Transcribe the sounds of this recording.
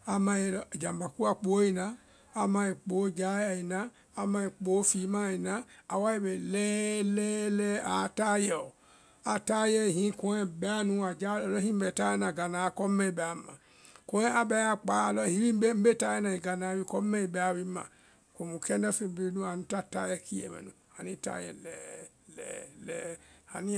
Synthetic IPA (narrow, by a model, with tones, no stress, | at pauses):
a˨mã˧je˨lɔ˦˨d͡ʒa˨mba˨ku˦a˨k͡po˨˦i˦nãː˨˦˨ | mã˧˨i˨k͡po˨˦d͡ʒa˦ja˨i˨naː˦˨ | mã˧i˨k͡po˨˦fi˨˦mã˦˨i˨nã˦a˨wa˦i˦be˨lɛː˦lɛː˦lɛ˦a̰˨ta˦jɛ˨ɔ˨ | a˨ta˦jɛ˦˨ɦĩ˦kɔ̃˧˦ɛ˦˨bɛ˦a˦nũ˦a˨d͡ʒa˦ɔ˨lɔ˦ĩ˦bɛ˨ta˦jɛ˦nã˨ɡa˨nã˨kɔ˦mɛ̃˦i˨bɛ˨a˨˦mã̰˨ | ko˨˦ɛ˦a˦bɛ˦a˦k͡pa˨˦˨lɔ˦hi˨˦ɾi˦m̩˦be˦m̩˦be˦˨ta˦jɛ˦nã˨i˨ɡa˨nã˨wi˧kɔ˦mɛ˦i˨bɛ˨a˨wi˦mã̰˨ | ko˨mu˨kɛ˦nɛ˦fe˧m̩˨be˦nũ˦a˨nũ˧˦ta˦ta̰˦jɛ˦˨ki˦ɛ̰˨mɛ̰̃˨nṵ̃˨ha˨nĩ˦˨ta̰˦jɛ̰˨lɛ̰˨˦ | lɛ̰˨lɛ̰˦a̰˨ni˦